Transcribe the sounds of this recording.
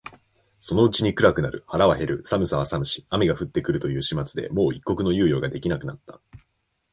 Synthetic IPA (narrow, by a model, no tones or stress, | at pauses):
so̞no̞ɯ̟t͡ɕiɲ̟ikɯ̟ɾakɯ̟naɾɯ̟̰haɾaβaɦe̞ɾɯ̟samɯ̟saβasamɯ̟ɕi̥amʲiɡaɸɯ̟t̪ːe̞kɯɾɯ̟t̪ojɯ̟ːɕimat͡sɨd̪e̞̰mo̞ːikːo̞kɯ̟no̞jɯ̟ːjo̞ːɡad̪e̞kʲinakɯ̟nat̪ːa